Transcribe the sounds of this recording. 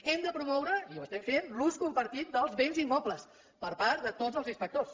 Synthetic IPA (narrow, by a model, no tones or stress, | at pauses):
ɛmd̪əpɾumɔwɾəiwəst̪ɛmfenluskumpəɾt̪it̪̚d̪əlˠzβenzimːɔpləs | pəɾpaɾt̪d̪ət̪ozəlˠzinspək̚t̪os